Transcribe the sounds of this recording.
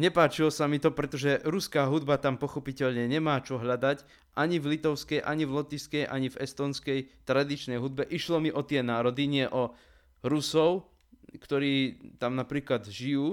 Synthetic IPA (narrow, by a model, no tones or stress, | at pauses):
ɲɛpaːt͡ʃilɔsamit̪ɔpɾɛt̪ɔʒɛɾuskaːɦud̪bat̪ampɔxɔpicɛʎɲɛɲɛmaːt͡ʃɔɦʎad̪ac | ʔaɲivlit̪ɔʊskɛjʔa̰ɲivlɔt̪iskɛjʔa̰ɲivɛst̪ɔːnskɛjt̪ɾad̪it͡ʃnɛjɦud̪̚bɛʔiʃlɔmiʔɔt̪ɪɛnaːɾɔd̪iɲɪɛʔɔ | ɾusɔʊ | kt̪ɔɾiːt̪amnapɾiːklad̪ʒijuː